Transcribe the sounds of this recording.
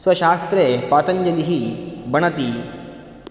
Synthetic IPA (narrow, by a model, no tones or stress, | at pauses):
sʋəɕast̪ɾepat̪əɲd͡ʒəliɦiːbəɳ̃ət̪iː